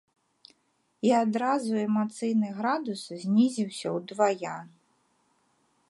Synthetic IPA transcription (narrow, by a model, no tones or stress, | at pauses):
iad̪ɾazuɛmat̪sɨjnɨɣɾad̪uszʲnʲizʲiwsʲɐwd̪vajan